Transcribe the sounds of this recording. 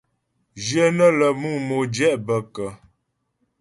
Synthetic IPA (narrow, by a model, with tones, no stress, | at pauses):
d͡ʒjə˦nə˦lə˨mu˦˨mo˨d͡ʒɛ˦ʔbə˨kə˨